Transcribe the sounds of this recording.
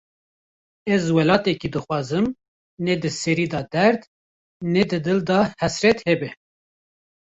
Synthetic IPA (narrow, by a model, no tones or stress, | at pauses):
ɛzwɛlɑːt̪ɛkid̪ɨxʷwɑːzɨm | ned̪ɨsɛɾiːd̪ɑd̪ɛɾd̪ | ned̪ɨd̪ɨld̪ɑhɛsɾɛt̪hɛbɛ